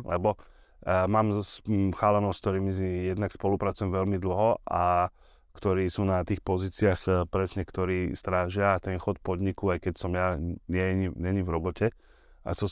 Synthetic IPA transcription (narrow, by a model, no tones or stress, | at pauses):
lɛ̰bɔ | maːmsxaːlɛnɔʊsk̚t̪ɔɾiːmisijɛd̪nakspɔlupɾat͡sujɛmʋɛlmid̪l̩ɦɔa | kt̪ɔɾiːsuːnat̪iːxpɔziːt͡siaxpɾɛsɲɛkt̪ɔɾiːst̪ɾaːʒɪaːt̪ɛnxɔt̪pɔd̪ɲikuajkɛcsɔmjaɲɛɲiɲɛɲivɾɔbɔcɛ | a̰sɔ